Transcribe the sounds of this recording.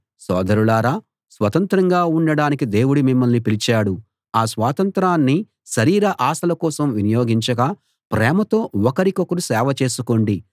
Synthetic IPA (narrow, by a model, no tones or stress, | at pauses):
sɔ̰ːd̪ɐɾulaːɾaː | sʋɐt̪ɐnt̪ɾɐŋɡaːuɳɖɐɽaːnikid̪e̞ːwuɽimimːɐlnipilit͡ʃaːɽu | aːsʋaːt̪ɐnt̪ɾaːnːi | ʃɐɾiːɾɐʔaːsɐlɐkɔːsɐmʋinijoːɡiɲt͡ʃɐɡɐ | pɾɛːmɐt̪o̞ːɔkɐɾikokɐɾusɛːʋɐt͡ʃe̞ːsuko̞ːɳɖi